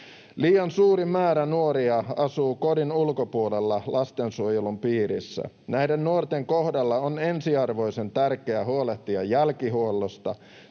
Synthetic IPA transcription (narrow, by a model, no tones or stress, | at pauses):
liːɑnsuːɾimæːɾænuoɾiɑɑsuːkodinulkopuolelːɑlʔɑst̪ensuojelumpiːɾisːæ̰ | næjdenːuort̪eŋko̞hdɑlːɑone̞nsiɑrʋo̞jse̞nt̪ærkeæɦuoleht̪iɑjælkiɦuolːost̪ɑ